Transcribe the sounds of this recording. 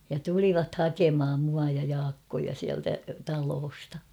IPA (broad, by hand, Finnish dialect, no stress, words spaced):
jɑ tuliʋɑt hɑkemh̆ɑm muɑ jɑ jɑːkːojɑ siæltæ tɑloːstɑ